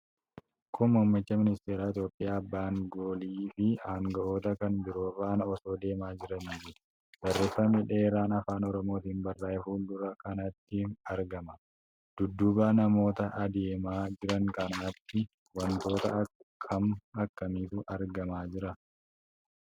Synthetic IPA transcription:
kʰʊmʊːmːɪt͡ʃːɐmɪnɪst̪eːɾaːɪt̪jo̞ːpʼːɪjaːɐbːaːŋɡoːliːfɪaːŋɡɐʔoːt̪ɐkɐnbɪɾo̞ːraːnɔso̞ːd̪e̞ːmaːd͡ʒɪɾɐniːfɪ | bɐrːeːsɐmɪᶑeːɾaːnɐfaːnɔɾɔmo̞ːt̪iːnbɐrːaːjɛfuːld̪ʊɾɐkɐnɐt̪ːɪɐɾɡɐmɐ | d̪̥ʊd̪ːʊbaːnɐmo̞ːt̪ɐʔɐd̪e̞ːmaːd͡ʒɪɾɐŋkɐnaːt̪ːɪ | wɐnt̪o̞ːt̪ɐɐkʰːɐmɐkːɐmiːt̪ʊʔɐɾɡɐmaːd͡ʒɪɾɐ

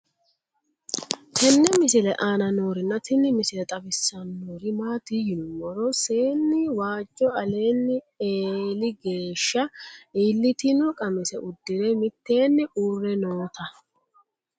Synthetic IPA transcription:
kɛnːɛmɪsɪlɛʔaːnɐno̞ːɾɪnːɐt̪ɪnɪmɪsɪlɛt̪ʼɐbɪsːɐnːoːɾɪmaːt̪ijɪnʊmɔɾɔse̞ːnːɪwaːd͡ʒʼːɔɐle̞ːnːɪ | eːlɪɡe̞ːʃːɐiːlːɪt̪ɪnɔkʼɐmɪsɛʔʊd̪ːɪɾɛmɪt̪ːe̞ːnːɪʔuːrːɛnoːt̪ɐ

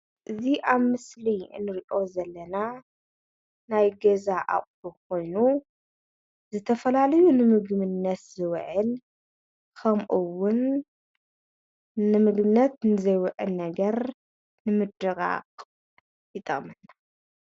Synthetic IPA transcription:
ʔɨziʔaβmɨslinɨɾiʔo̞zɐlːɐna | najɡɐzaʔa̰χʼbukʰo̞jnu | zɨt̪ʰɐfɐlalɐjunɨmɨɡmɨnːɐt̪z̥ɨwʕɨl | kʰɐmʔuwʊn | ɨmɨɡbɨnɐt̪nɨzɐjwɨʕɨlnɐɡɐɾ | nɨmɨd̪ɨɣʼa̰qʼ | jɨt̪ʼɐmɨnːa

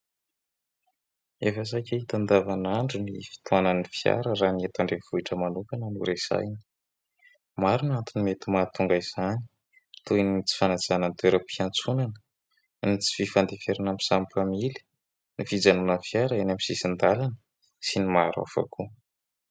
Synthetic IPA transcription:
efəs̬akʲeɦit̪and̪avanaɳɖ͡ʐunifi̥t̪uananifia̰ɾəɾaniet̪aɳɖ͡ʐev̥uiʈ͡ʂəmanukanənuɾesa̰jni̥ | maɾunat̪unimet̪umat̪uŋɡaiz̥ani̥ | t̪ujnit͡si̥fanad͡zanant̪eɾapiant͡sunanə̥ | nit͡si̥fifand̪efeɾanamisampamili̥ | nifid͡zanunəfjaɾaenamisisind̪alanə̥ | sinimaɾa̰fa̰ku

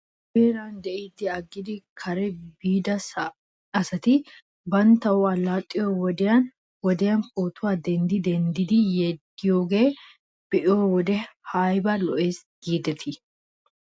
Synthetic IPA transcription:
beːɾaːnd̪ɛʔid̪ːɪɐɡːɪd̪ɪkʰɐɾɛbiːd̪ɐs | ɐsɐt̪ɪ | bɐnt̪ːɐwʊɐlːaːt̪ʼːɪjowɔd̪ɛjɐn | wɔd̪ɛjɐnkoːt̪ʊwaːd̪ɛnd̪ɪd̪ɛnd̪ɪd̪ɪjɛd̪ːɪjoːɡe̞ː | b̥ɛʔɪjoːwɔd̪ɛhɐjbɐlɔʔeːsɡ̥iːd̪ɛt̪ʰɪ

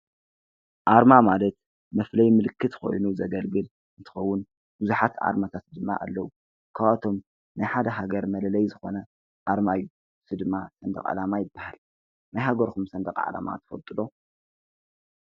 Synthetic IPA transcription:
ʔaɾmamalɐt̪ | mɐflɐjmɨlɨkʰːɨt̪ko̞̰jnuzɐɡɐlɡɨl | ɨnt̪ʰɨ̥xɐwːʊn | b̥ɨzuħat̪ʕa̰ɾmat̪ʰat̪̚d̪ɨmːa̰ʔa̰lːɐwu | kʰaβat̪ʰo̞m | najħad̪ɐɦaɡɐɾmɐlɐlɐjzɨxo̞nɐ | ʔaɾmajːu | sɨd̪ɨmːasɐnd̪ɐqʼʕa̰lamajɪbːahal | najɦaɡɐɾkʰumsɐnd̪ɐkʼʕa̰la̰ma̰t̪ʰɐ̥fɐlt̪ʼɨlo̞

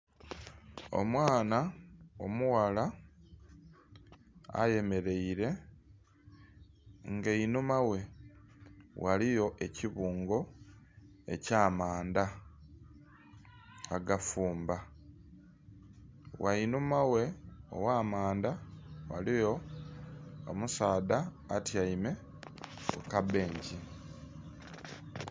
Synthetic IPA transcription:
o̞̰mwaːnao̰muwala | a̰je̞me̞ɾe̞iɾe̞ | ŋɡeinumawe̞ | wʔalijo̞ʔe̞ciβuːŋɡo̞ | e̞̰caːmaːnd̪a | ɡafuːmba | wainumawe̞o̰waːmaːnd̪awa̰lijo̞ | o̰musaːdaː | tjaime̞ | ukabe̞ːɲɟi

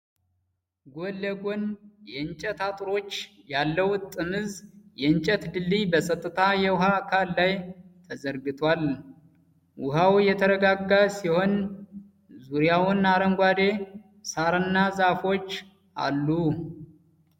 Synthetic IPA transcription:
ɡolːəɡonjɛɨnt͡ʃʼɛt̪at̪ʼɾo̞t͡ʃː | jalːəwt̪ʼɨmɨzjɛɨnt͡ʃʼət̪d̪ɨlːibəsʼət̪ʼːɨt̪ʰajɛwʊɦakʰalːajt̪ʰəzəɾɡɨt̪ʰwal | wʊɦawjɛt̪ʰəɾəɡaɡːasiho̞n | zuɾijawʊnaɾəŋɡʷad̪e̞ | saɾɨnːazafo̞t͡ʃː | ʔa̰lːu

